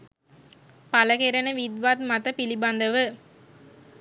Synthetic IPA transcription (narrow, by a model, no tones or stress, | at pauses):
pɐlɐkeɾɐnɐʋid̪ʋaːt̪mɐt̪ɐpilibɐnd̪ɐʋɯ